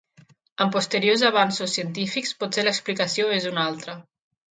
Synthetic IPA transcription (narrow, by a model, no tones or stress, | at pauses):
əmpust̪əɾiozaβ̞ansusːiənt̪ifikspɔt̪seləksplikəsioezunalˠt̪ɾə